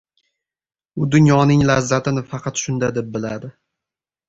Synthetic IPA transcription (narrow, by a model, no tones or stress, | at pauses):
ʊd̪ʊnjɒnɪŋlazːat̪ʰɪnɪfɑqʰɑt̪ʃʊnd̪ad̪e̞p̚bɪlad̪ɪ